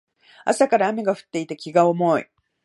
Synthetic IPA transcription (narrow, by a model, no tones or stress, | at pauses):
a̰sakaɾaːmʲeɡaɸɯ̟̥t̪ːe̞it̪ekʲiɡaomo̞ḭ